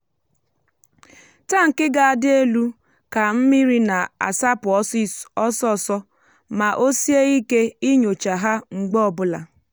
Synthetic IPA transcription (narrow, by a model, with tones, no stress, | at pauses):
ta˦ŋ̩˨kɪ˦ɡa˨a˨dɪ˦e˦lu˦ | ka˨m̩˦mi˦ɾi˦na˨a̰˨sa˦pʊ˨ɔ˦si˦sɔ˦sɔ˦˨sɔ˦ | ma˨ʔo˦si˦e˦i˦ke˦i˦ɲo˨t͡ʃa˨ɦa˦ŋ͡m̩˨ɡ͡bɔ˨bʊ˦la̰˨